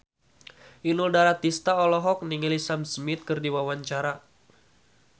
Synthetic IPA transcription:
ʔinuldaɾat̪ist̪aɔlɔɦɔk̚niŋilisamsmit̪̚kɨrdiwawaɲt͡ʃaɾa

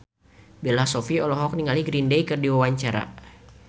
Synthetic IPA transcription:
belasɔfiɔlɔɦɔk̚niŋaliɡɾindejkɨrdiwawaɲt͡ʃaɾa̰

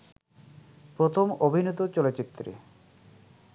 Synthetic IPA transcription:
pɾot̪ʰomobʱinot̪ot͡ɕolot͡ɕit̪ːɾḛ

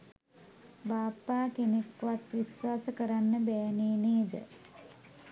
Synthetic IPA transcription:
baːpːaːkenekːʋat̪ʋisʋaːsəkəɾanːəbɛjneːneːd̪ə̰

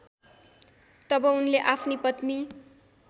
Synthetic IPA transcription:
t̪ʌbʌunleʔapʰnipʌt̪ni

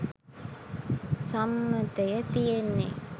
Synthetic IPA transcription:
sɐmːɐt̪ɐjɐt̪ijenːḛ

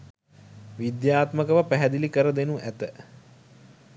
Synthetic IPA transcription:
ʋid̪jaːt̪məkəʋəpæɦæd̪ilikəɾəd̪enuʔæt̪ə

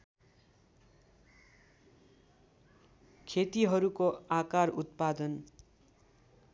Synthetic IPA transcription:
kʰet̪iɦʌɾukoakarut̪pad̪ʌn

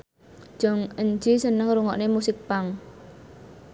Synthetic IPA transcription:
ʒ̥ɔŋəɲd͡ʒisənəŋɾuŋɔʔnemusɪk̚paŋ

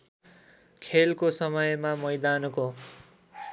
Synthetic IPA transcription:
kʰelkosʌmʌjmamʌjd̪anko

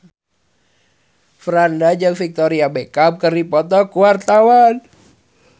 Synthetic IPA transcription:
fɾandad͡ʒəŋfik̚t̪oɾiabekap̚kəripɔt̪ɔkuwart̪awan

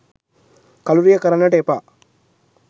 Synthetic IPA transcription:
kɐluɾijɐkɐɾɐnɐʈeːpa

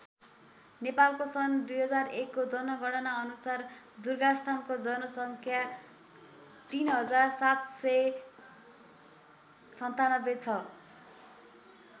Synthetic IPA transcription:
nepalkosʌnd̪ujɦʌd͡zarekːod͡zʌnʌɡʌɽʌnaʌnusar | d͡zurɡast̪ʰankod͡zʌnʌsʌŋkʰja | t̪inɦʌd͡zarsat̪sʌ | sʌnt̪anʌbet͡sʰʌ

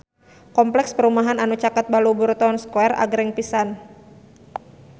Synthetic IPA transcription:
kɔmplɛkspəɾumaɦananut͡ʃakat̪̚baluburt̪ɔnskuɛra̰ɡɾɛŋpisan

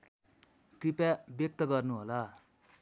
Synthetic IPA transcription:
kripabjʌk̚t̪ʌɡʌrnuɦola

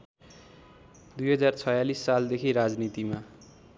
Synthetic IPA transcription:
d̪ujɦʌd͡zart͡sʰʌjalisːald̪ekʰiɾad͡znit̪ima

